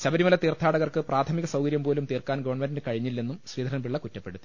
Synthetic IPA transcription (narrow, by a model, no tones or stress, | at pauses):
ɕɐbɐɾimɐlɐt̪iːrt̪ʰːaːɽɐɣɐrkɨprʔaːt̪ʰɐmiɣɐsɐwkɐɾjɐmpoːlumt̪iːrkaːnɡɐʋɐrɳmenndkɐɻiɲːilːe̞nːumɕriːd̪ʱɐɾnɐmbiɭːɐkutːɐpːe̞ɽut̪ːi̥